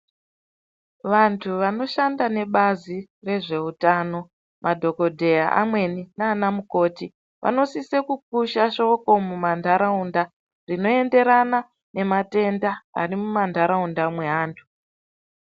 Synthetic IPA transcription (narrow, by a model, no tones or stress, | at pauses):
ʋantʰuʋano̞ʃandane̞ɓazire̞ʐe̞utaːno̞ | mʔadʱo̞ko̞dʱe̞jaʔa̰mwe̞ninaːnamuko̞ːti | ʋʔa̰no̞sisekuk̚uʃaʃo̞ko̞mumandʱaɾaunda | rino̞e̞nde̞ɾana | ne̞mate̞ndaa̰rimumandʱaɾaundamweɦaːntʰu̥